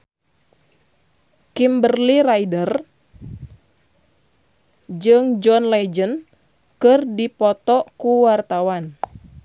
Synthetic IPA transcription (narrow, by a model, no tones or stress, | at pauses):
kimbərliɾaidər | d͡ʒɨŋd͡ʒɔnlɛd͡ʒən | kɨrdipɔt̪ɔkuwart̪awan